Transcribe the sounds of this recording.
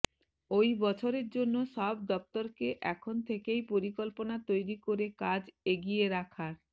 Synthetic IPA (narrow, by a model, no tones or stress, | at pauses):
ojbɔt͡ɕʰoɾeɾd͡ʑonːoʃɔb̚d̪ɔp̚t̪oɾkeʔɛkʰont̪ʰekejpoɾikolponat̪ojɾikoɾekad͡ʑeɡijeɾakʰaɾ